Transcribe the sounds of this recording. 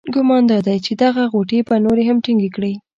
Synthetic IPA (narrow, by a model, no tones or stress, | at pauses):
ɡʊmɑnd̪ɑd̪ajt͡ʃed̪aɣaɣoʈebanoɾeɦamʈiŋɡekɽi